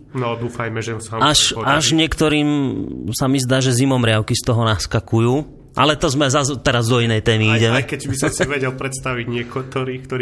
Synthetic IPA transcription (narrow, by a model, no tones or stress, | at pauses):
nɔd̪uːfajmɛʒɛsaaʃpɔaʒɲɪɛkt̪ɔɾiːmsamizd̪aːʒɛzimɔmɾɪaʊkist̪ɔɦɔnaskakujuː | ʔa̰lɛt̪ɔzmɛzazt̪ɛɾazd̪ɔinɛjt̪ɛːmiiɟɛmɛkɛɟbbisɔmsiʋɛɟɛlpɾɛt̪st̪aʋiɟɲɪɛkɔt̪ɔɾiːkt̪ɔɾi